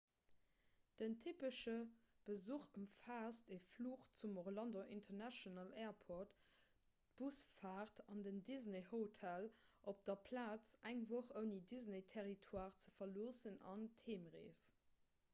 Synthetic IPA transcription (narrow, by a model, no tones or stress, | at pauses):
d̥əntʰipəʃə | b̥əzuːχəmfaːstefluːχt͡sumoʁlɑndoʔintʰənæʃonəlɛːɐpʰot | b̥usfaːʁtʰɑndəndizneɦotʰælʔop̚d̥ɐpʰlaːt͡sæŋvoχəʊnidizneɪtʰɛʁitʰwaːʁt͡səfɐloːsənɑ̰ntʰeːmʁḛːs